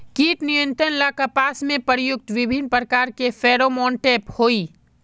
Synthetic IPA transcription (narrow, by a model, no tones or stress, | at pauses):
kiːʈnɪjə̃nt̪ɾənlaːkapaːsmẽpəɾjʊk̚t̪ʋɪbʱɪnpɾəkaːɾkefʰeːɾomɔ̃ːɳʈeːphoːiː